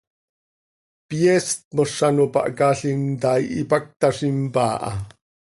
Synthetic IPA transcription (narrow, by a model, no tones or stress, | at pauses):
pjest̪̚moʂanopa̰ʔkaɬint̪aiʔipak̚t̪aʂimpaːʔɑ̰